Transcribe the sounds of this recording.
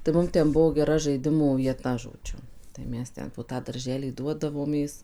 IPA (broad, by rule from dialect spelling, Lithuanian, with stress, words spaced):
tɐɪ ˈmʊm ˈtʲɛn ˈbʊʋoː ɡʲɛˈrɐ ʒɐɪˈdʲɪmuː ʋʲiɛˈtɐ ʒoːˈd͡ʒʲʊ tɐɪ ˈmʲɛs ˈtʲɛn poː ˈtɑː dɐrʲˈʒʲæːlʲiː ˈduɔdɐʋoːmʲeːs